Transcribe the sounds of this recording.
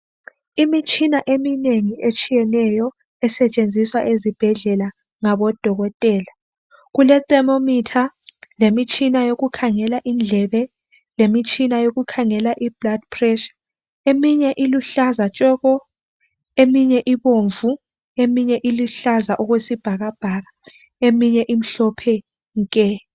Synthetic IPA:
imit͡ʃʼinaʔemineŋiet͡ʃʼijɛnɛjɔ | ɛsɛt͡ʃʼend͡zʱiswa̰ʔezib̥ʱɛɮɛla | ŋaβɔd̥ʱɔɣɔtʼɛːla | ɣulɛtʼɛmomitʰalemit͡ʃʼinajoɣukʰaŋɛlaʔind͡ɮʱɛβɛ | lemit͡ʃʼinajoɣukʰaŋɛlaʔib̥lad̥̚pʰrɛʃḁ | emiɲɛʔiluɬazat͡ʃʼɔːɣɔ | emiɲɛʔiβoɱvu | emiɲɛʔiluɬazaʔɔɣwesib̥ʱaɣab̥ʱaɣa | emiɲɛʔim̩ɬɔpʰɛ | ŋkʼɛ

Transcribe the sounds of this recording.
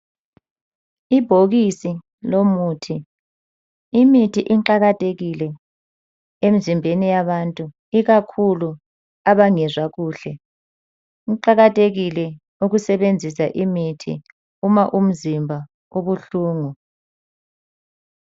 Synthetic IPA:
ib̥ʱoɣisi | lomuːtʰi | imitʰiʔiǃaɣatʼeɣilɛ | em̩zimbʱenijaβantʼu | iɣakʰulu | aβaŋɛzwaɣuːɬɛ | iǃaɣatʼeɣilɛ | uɣusɛβend͡zʱisaʔimitʰḭ | umaʔum̩zimbʱa | oβuɬuːŋu

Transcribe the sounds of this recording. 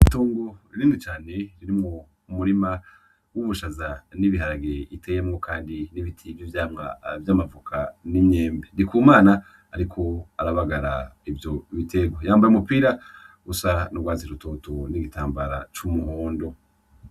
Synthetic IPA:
tuːŋɡoɾiɾiːnit͡ʃaːne̞ɾiɾimŋo | umuɾima | wuβuʃazaniβiɦaɾaɡeitʰejemŋo̞kʰaːndiniβitʰivjovjaːmŋa̰vjamavukʰanimɲe̞ːmbendikuːmaːnaː | ɾikʰo̞aɾaβaɡaɾaivjo̞βitʰe̞ɡwojaːmbajumupiːɾaɡusanubɡwaːziɾuto̞toniɡitʰaːmbaɾa̰t͡ʃumuɦoːndo̞

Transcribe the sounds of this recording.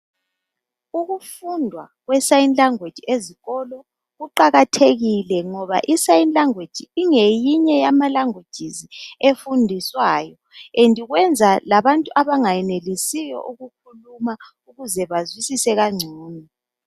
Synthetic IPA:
uɣufundʱwa̰ | ɣwɛsajinlaŋwed̥ʒ̥ʱieziɣɔlɔ | ɣuǃaɣatʰeɣilɛŋɔβa̰ʔisajinlaŋwed̥ʒ̥ʱiiŋejiɲɛjamalaŋwed̥ʒ̥ʱiziefundʱiswaːjɔ | endʱiɣwɛnd͡zʱalaβantʼuʔaβaŋajɛnelisijɔ̰ʔuɣukʰuluma | uɣuzɛβazwisisɛɣaŋ͡ǀʱuːni

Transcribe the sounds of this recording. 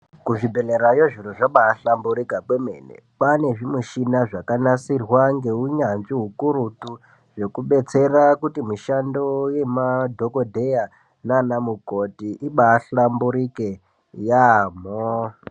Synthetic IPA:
kuʐibʱe̞leɾajoʐiroʐaɓaːɬambuɾikaɓwemenḛpane̞ʐimuʃinaʐakanasirwaŋɡe̞uɲanʐiɦukurutu | ʐe̞kuɓe̞t͡se̞rakutimiʃando̞je̞madʱokodʱe̞ja | nanamukotiʔiɓaːɬambuɾike̞ | jam̤o

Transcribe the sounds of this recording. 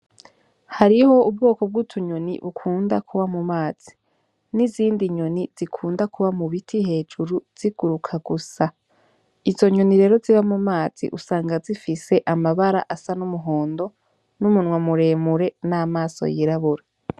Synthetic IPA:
haɾiho̞ub̚ɡo̞ːko̞b̚ɡutʰuɲo̞nḭβukʰuːndakʰuβamumaːz̥i̥ | niziːndiɲo̞niz̥ikʰuːndakʰuβamuβitʰihe̞ːd͡ʒuɾuz̥iɡ̥uɾukʰaɡusa | izo̞ɲo̞niɾe̞ːɾo̞ziβamumaːz̥ḭʔusaːŋɡazifise̞ʔamaβaɾa̰ʔasanumuɦo̞ːndo̞ | numunŋwamuɾe̞ːmuɾe̞naːmaːso̰jiɾaβuɾa

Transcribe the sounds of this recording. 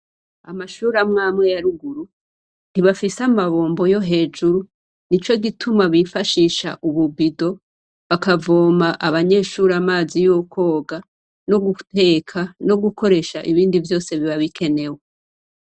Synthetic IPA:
amaʃuːɾamŋaːmŋe̞jaɾuɡuɾu | niβafisamaβo̞ːmbo̞jo̞ɦe̞ːd͡ʒuɾu | nit͡ʃo̞ɡitʰumaβifaʃiːʃa̰ʔuβubido̞ | βakavo̞ːmaʔaβaɲe̞ːʃuːɾamaːzijokʰo̞ːɡa | no̞ɡute̞kʰano̞ɡuko̞ɾe̞ːʃa̰ʔiβiːndivjo̞ːse̞βiβaβikʰe̞ne̞we

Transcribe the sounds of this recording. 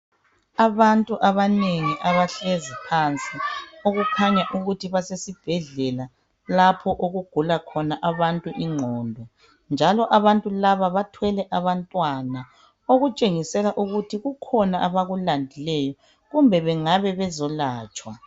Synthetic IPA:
aβantʼuʔaβaneŋiʔaβaɬezipʰant͡sʼioɣukʰaɲaʔuɣutʰiβasesib̥ʱɛɮɛla | lapʰɔʔoɣuɡ̥ʱulakʰɔnaʔaβantʼuʔiŋ͡ǃʱɔːndʱɔ | nd͡ʒʱalɔʔaβantʼulaβaβatʰwɛlɛʔaβantʼwana | oɣut͡ʃʼeŋisɛlaʔuɣutʰiɣukʰɔnaʔaβaɣulandʱilɛjɔ | ɣumbʱɛβɛŋaβɛβɛzɔlaːt͡ʃʼwa

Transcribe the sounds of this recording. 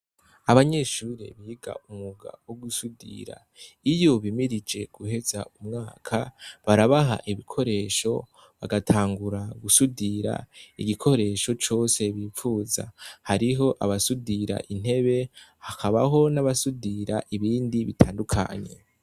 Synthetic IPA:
aβaɲe̞ːʃuːɾḛβiːɡa̰umuɡa̰woɡusudḭɾa̰ | ijo̞βimiɾid͡ʒe̞ɡ̥uhe̞za̰umŋaːkʰaβaɾaβaɦa̰ʔiβikʰo̞ɾe̞ːʃo̞̰ | βa̰ɡatʰaːŋɡuɾaɡusudiɾa̰iɡikʰo̞ɾe̞ʃo̞t͡ʃo̞ːse̞βiːfuːza̰haɾiɦo̞ʔaβasudiɾa̰ʔin̥he̞βe̞hakʰaβaɦo̞naβasudiɾaʔiβiːndiβitʰaːndukʰa̰ːɲe̞̰

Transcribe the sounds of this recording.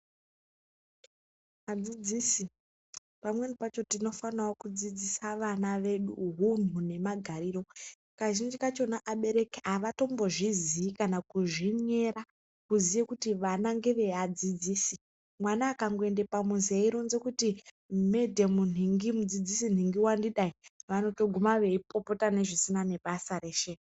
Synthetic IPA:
mad͡zid͡ziːsi | pamwe̞nipat͡ʃo̞tino̞fanawokud͡zid͡zisaʋanaʋe̞ɗṵɦun̤une̞maɡʱaɾiːɾo̞ | kaʒind͡ʒikat͡ʃo̞naʔaɓe̞ɾe̞keaʋato̞mbo̞ʐiziːkanakuʐiɲe̞ɾa | kuzijekutiʋanaŋɡe̞ʋe̞ad͡zid͡ziːsi | mwanaːkaŋɡoe̞nde̞pamuziaiɾo̞nze̞kuti | medʱemun̤iŋɡimud͡zid͡zisin̤iŋɡiwandiɗaiʋano̞to̞ɡʱumaʋe̞ipo̞po̞tane̞ʐisinane̞ɓasare̞ʃe

